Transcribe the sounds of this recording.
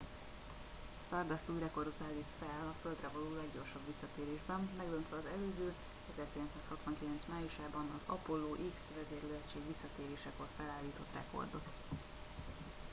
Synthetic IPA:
st̪ɒrd̪ɒst̪uːjrɛko̞rd̪ot̪aːlːiːt̪fɛlɒføld̪rɛvɒloːlɛɡɟo̞rʃɒbʋisːɒt̪eːɾeːʒbɛmːɛɡd̪ønt̪ʋɛɒzɛløːzøː | ɛzɛrkilɛnt̪saːshɒt̪ʋɒŋkilɛnt̪smaːjuʃaːbɒnɒzɒ̰polːoːʔiksvɛzeːrløɛt͡ʃeːɡʋisːɒt̪eːɾeːʃɛkorfɛlaːlːiːt̪o̞t̪rɛ̰ko̞̰rd̪ot̪

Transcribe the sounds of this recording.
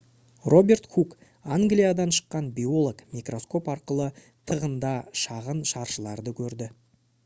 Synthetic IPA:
rʔo̞bʲe̞rt̪xuk | aŋɡlʲijad̪ɑnʃə̥qːɑnbʲio̞lˠokmikro̞sko̞pɑɾqəlˠə | t̪ʰəʁənd̪ɑʃɑʁənʃɑɾʃəlˠɑɾd̪əkʲʰɵɾd̪ɪ

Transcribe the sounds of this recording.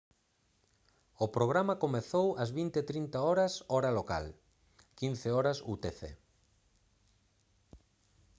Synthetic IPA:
opɾoɣɾamɐkomeθowɐzβint̪eːt̪ɾint̪aɔɾɐsɔɾɐloka̰l | kinθeɔɾɐsut̪eθḛ

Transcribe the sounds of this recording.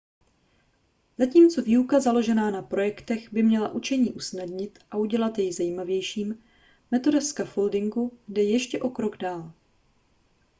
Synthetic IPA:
zaciːmt͡so̞viːukazalo̞ʒɛnaːnapɾo̞jɛkt̪ɛxbɪmɲɛlaʔut͡ʃɛɲiːʔusnadɲɪt̪ʔaʔuɟɛlat̪jɛjzajimavjɛjʃiːm | mɛt̪o̞dɛskafoldɪŋɡudɛjɛʃcɛʔo̞kɾo̞ɡdaːl

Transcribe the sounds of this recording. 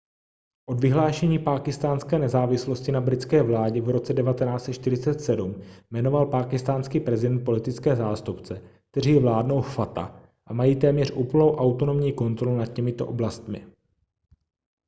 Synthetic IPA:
ʔo̞dvɪɦlaːʃɛɲiːpaːkɪst̪aːnskɛːnɛzaːvɪslo̞scɪnabɾɪt͡skɛːvlaːɟɛvɾo̞t͡sɛdɛvat̪ɛnaːt͡sɛt̪ʃt̪ɪɾɪt͡sɛt̪sɛdummɛno̞valpaːkɪst̪aːnskiːpɾɛzɪdɛnt̪̚po̞lɪt̪ɪt͡skɛːzaːst̪upt͡sɛk̚t̪ɛriːjvlaːdno̞wfat̪a̰ | ʔamajiːt̪ɛːmɲɛr̝ʔuːpl̩nowʔawt̪ono̞mɲiːko̞nt̪ɾo̞lunad̪̚cɛmɪt̪o̞̰ʔoblast̪mɪ̰

